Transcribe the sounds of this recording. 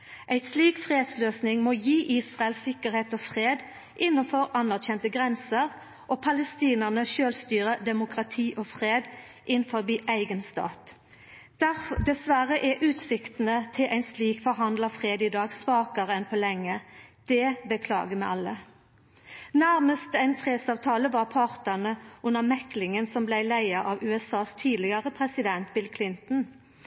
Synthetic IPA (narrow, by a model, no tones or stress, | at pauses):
ʔæɪsliːkfʁeːd̪sløːsnɪŋmoːjiːʔiːsʁɑɛəlsɪkəɾheːt̪oːfʁeːd̪ | ʔɪnːənfɔʁɑnæʁçɛnt̪əɡʁɛnsəʁ | ʔoːpʰɑləst̪iːnəʁnəʃøːlst̪yːʁəd̪ɛmʊkʁɑt̪ʰiːʔofʁeːd̪ | ʔɪnfɔʁbiːʔæɪɡənst̪ɑ̰ːt̪ | d̪̥æd̪ɛsʋæʁəʔæʔʉːt̪sɪkt̪n̩ət̪ʰɪlʔæɪnsliːkfɔɾɦɑnd̪lɑfʁeːd̪iːd̪ɑːɡsʋɑːkɑʁəɛnpʰoːlɛŋːəd̪̥ɛbəkʰlɑ̰ːɡəmɛɪʔɑlːə | næʁməst̪æɪnfʰʁeːd̪sɑːʋt̪ʰɑːləʋɑʁpʰɑʁt̪ɑnəʊnəmɛklɪŋənsɔmblæɪlæɪɑʔɑʋʉːɛsɑːst̪ʰiːd̪lɪɡɑʁəpʰʁɛsɪd̪ɛnt̪̚bɪlkʰlɪnt̪n̩